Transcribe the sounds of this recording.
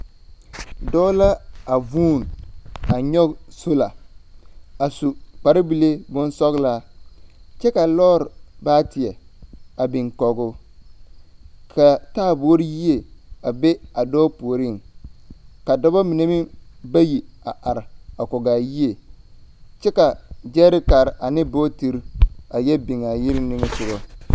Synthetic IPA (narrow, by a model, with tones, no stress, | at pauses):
dɔː˦la˦a˨vuː˦˨na˨ɲɔ˦ɡso˦la˨ | a˨su˨k͡pa˨ɾɪ˦bi˨le˦bʊ˦n˦sɔ˦ɣla˦ | t͡ʃɛ˦ka˨lɔː˦ɾɪ˨baː˦tɪ˨ɛ˨a˨bɪ˨ŋkɔ˨ɡʊ˦ | kʰa˨taː˦˨bo˦o˦ɾi˦ji˦e˨a˨be˦a˨dɔː˦pu˨o˨ɾi˦˨ŋ | ka˨dɔ˦ba˦mi˨ne˦mi˦ba˦ji˨a˨ʔa˨ɾɪ˨a˨kɔ˨ɡaː˨ji˦e˨ | t͡ʃɛ˦ka˨d͡ʒɛː˦ɾɪ˦ka˨ɾɪ˨ʔa˨nɪ˦boː˦ti˨ɾa˨jɛ˦bɪ˨ŋa˨jɪ˦ɾɪ˦nɪ˦ŋɪ˦sʊ˨ɣɔ˦